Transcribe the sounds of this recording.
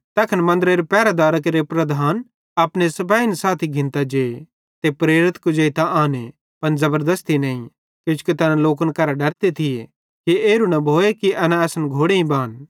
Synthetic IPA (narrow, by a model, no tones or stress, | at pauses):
t̪ɐːkʰɐnmɐ̃nd̪əɾeːɾepɛːɾad̪aːɾəkɾepɾɐd̪ʱaːn | aːpñesɐpaːinsaːt̪ʰiɡʱɪ̃nt̪ad͡ʒeːe | t̪epɾeːɾɪt̪kʊd͡ʒeit̪aʔaːne | pɐnzɐbəɾd̪əst̪inɐːĩ | kjʊ̃ːt͡ʃu̥kit̪ɐnãloːk̬ənkɐɾaɖɐɾt̪et̪ʰɪje | kieːɾunɐbʱoːekiʔɐnãɛːsənɡʱoːɽeĩbaːn